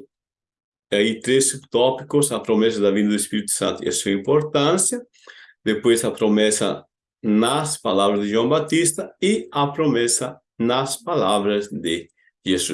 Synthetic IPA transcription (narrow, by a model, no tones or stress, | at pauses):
ait̪ɾesupt̪ɔpikosapɾomɛs̬ɐd̪ɐvĩnd̪ɐd̪uespiɾit̪u̥sã̰nt̪uɛ̰suɐimpoɾt̪ãnsjɐ | d̪epwejsɐpɾomɛsɐ̰ | naspalaβɾɐzd̪eʒwãmbat̪ist̪ɐiapɾomɛsɐ | naspalaβɾɐzd̪e | ʒesṵs